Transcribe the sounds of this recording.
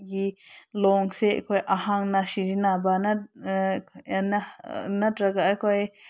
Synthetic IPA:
ɡiloŋseʔkʷeʔahãŋnãʃid͡ʒinãbana | ananãt̪ɾaɡaʔkʷae

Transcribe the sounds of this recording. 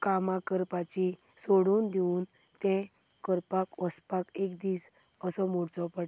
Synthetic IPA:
kamãkəɾpat͡ɕi | soɽuːnd̪euːn | t̪ɛ̃ | kəɾpakʋəspakekd̪iːs | əsɔmoɽt͡sɔpəɽ

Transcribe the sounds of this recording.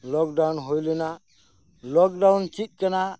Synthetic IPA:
lɔk̚ɖanɦojlena | lɔk̚ɖawnt͡ʃit̪̚kəna

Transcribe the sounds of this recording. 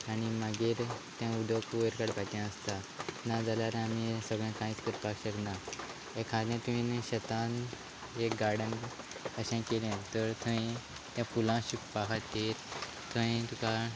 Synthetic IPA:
añimaɡeɾt̪jãud̪ʱokuʋəɾkaɽpat̪ãəst̪a | nad͡zalaɾ̃amisəɡɭjãkãit͡sk̪əɾpakɕəkna | ekʰãɾlãt̪uĩnɕət̪an | ekɡaɾɽən | əɕɛ̃kelɛ̃t̪əɾt̪ʰəĩ | t̪jãfulãɕukpaɦat̪ːeɾ | t̪ʰəĩt̪uka

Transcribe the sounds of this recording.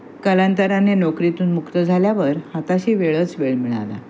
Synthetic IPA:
kəlant̪əɾanːenɔkɾit̪uːnmukt̪əd͡zʱaljaʋəɾhat̪aɕiːʋeɭət͡sʋeɭmiɭa̰la̰

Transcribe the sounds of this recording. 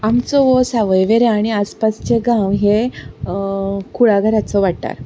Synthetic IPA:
amt͡sɔʋɔsaʋəjʋeɾeaɽ̃iaspast͡ɕeɡãwɦe | kuɭaɡəɾat͡sɔʋaɽt̪a̰ɾ

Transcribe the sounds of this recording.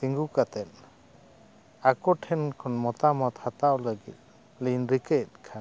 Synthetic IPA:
t̪iŋɡukat̪ɛn | akɔʈʰɛnkʰɔnmɔt̪amɔt̪hat̪awləɡḭt̪̚ | linɾikəjt̪̚ˀkʰan

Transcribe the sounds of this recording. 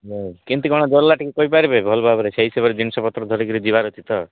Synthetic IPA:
ɦekint̪ikɔ̃ɔd͡ʒɔlːaʈikekɔipaɾebebʱɔlbʱabɔɾet͡ʃʰeisebaɾed͡ʒinsɔpɔt̪ɾɔd̪ʱɔɾekiɾid͡ʒibaɾɔt̪ʰit̪ɔ

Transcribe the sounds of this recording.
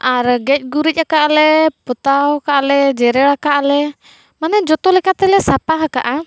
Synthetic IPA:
aɾɡɛc̚ˀɡuɾic̚akaʔalɛpɔt̪awakaʔalɛd͡ʒɛɾɛɽakaʔalɛ | manɛd͡ʒɔt̪ɔlɛkat̪ɛlɛsapaɦaka̰ʔa

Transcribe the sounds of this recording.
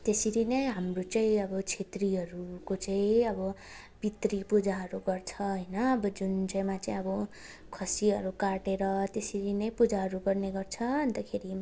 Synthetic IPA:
t̪esiɾinʌj̃ɦamrot͡saĩʌbʌt͡sʰet̪riɦʌɾukot͡saĩʌbʌ | bit̪ripud͡zaɦʌɾuɡʌrt͡sʰʌɦʌjnʌːbʌd͡zunt͡saj̃mat͡saĩʌbʌ | kʰʌsiʌɾukaʈeɾʌt̪esiɾinʌĩpud͡zaɦʌɾuɡʌrneɡʌrt͡sʰʌʌnt̪akʰeɾi

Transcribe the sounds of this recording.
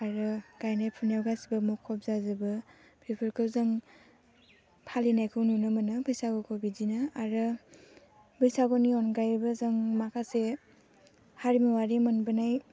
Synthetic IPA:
aɾɯɡ̥ajnajpʰunjawɡasibɯmukʰːɔp̚zazɯbɯ | pʰɾipʰɯɾkʰɯwzɯŋ | pʰalinajkʰɯwnunɯmanɯbʱɯjsaɡɔkʰɔbizinɯaɾɯ | bɯjsaɡɔniɔnɡajbɯzaŋmakʰase | haɾimiwaɾimɯnbɯnaj

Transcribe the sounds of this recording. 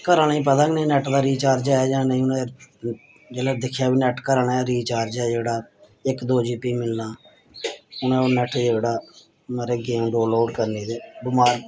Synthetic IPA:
kəɾɳĩːp̬əd̪ãːɡnĩːnɛʈd̪aːɾiːt͡ʃaːɾd͡ʒɛːɛːd͡ʒãːnəĩːʊnẽ | d͡ʒeːlaːd̪ɪkʰjaːbiːnɛʈkəɾɳaːɾiːt͡ʃaːɾd͡ʒɛːd͡ʒeːɽaː | ɪkd̪oːd͡ʒiːpiːmɪlnaː | ʊnẽːoːnɛʈd͡ʒeːɽaː | məɾeːɡeːmɖoːloːɖkəɾneːd̪eːbʊmaːɾ

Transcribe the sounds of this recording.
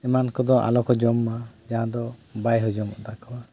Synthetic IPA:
ɛmankɔd̪ɔʔa̰lɔkɔd͡ʒɔmːad͡ʒaãd̪ɔbajɦɔd͡ʒɔmɔ̰d̪akɔwa

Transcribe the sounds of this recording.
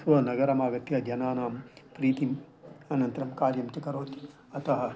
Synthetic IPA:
sʋɐnɐɡɐɾɐmaːɡɐt̪jɐd̪ʱjɐnaːnaːmpɾiːt̪im | ɐnɐnt̪ɾɐmkaːɾjɐmt͡ʃɐkɐɾoːt̪i̥ | ɐt̪ɐɦɐ

